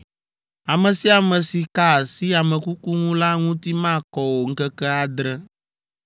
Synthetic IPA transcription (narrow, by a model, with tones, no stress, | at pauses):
a˨mɛ̃˨si˦a˨mɛ̃˨si˨ka˦˨si˦a˨mɛ̃˨ku˦ku˦ŋũ˦la˦ŋũ˦t̪i˦mã˦˨kɔ˨wo˨ŋ̩˦kɛ˦kɛ˦a˨d̪ɾɛ˦